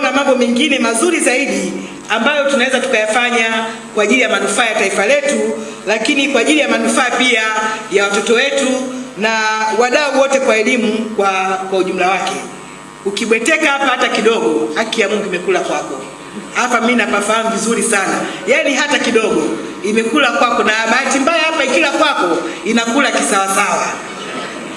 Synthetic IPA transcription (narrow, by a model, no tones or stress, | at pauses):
namambɔmɛŋɡinɛmazuɾizaiɗi | ambajɔtunawɛzatu̥kajafaɲa | kwaːʄilijamanufaːjataifalɛtu | lakinikwaːʄilijamanufaːpiajawatɔtɔwɛtunawaɗauwɔtɛkwaɛlimukwakwauʄum̩lawakɛ̰ | ukiɓwɛtɛkahapahatakiɗɔɡɔhakijamuŋɡuimɛkulakwakɔ | hapaminapafaham̩vizuɾisanajaniɦatakiɗɔɡɔ | imɛkulakwakɔnaɓaatimbajahapaikilakwakɔinakulakisawasawa